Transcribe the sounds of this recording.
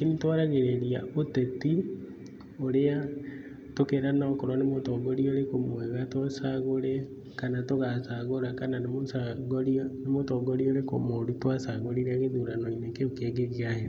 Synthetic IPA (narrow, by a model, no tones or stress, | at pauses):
kinitwaɾaɣeɾeɾiaʔoteti | oɾea | tokeɾanaːkoɾwanemotɔɡoɾioɾekomwɛɣatosaɣoɾe | kanatoɣasaɣoɾakananemosaɡoɾionemotɔɡoɾioɾeko̰moɾutwasaɣoɾiɾaɣeðuɾanoinekeokeɡeɣiaheɾe